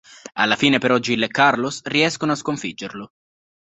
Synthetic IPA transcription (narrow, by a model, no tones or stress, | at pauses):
a̰lːafiːnepeɾɔd͡ʒːilekːarlosriɛskonoaskoɱfid͡ʒːerlo